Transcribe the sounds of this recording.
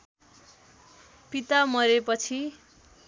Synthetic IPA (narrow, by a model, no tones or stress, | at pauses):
pit̪amʌɾepʌt͡sʰi